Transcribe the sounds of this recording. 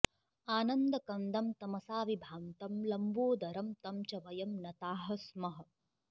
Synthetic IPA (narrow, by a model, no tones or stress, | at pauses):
aːnɐnd̪ɐkɐnd̪ɐmt̪ɐmɐsaːʋibʱaːnt̪ɐmlɐmboːd̪ɐɾɐmt̪ɐmt͡ʃɐʋɐjɐmnɐt̪aːɦɐ̆smɐɦɐ̆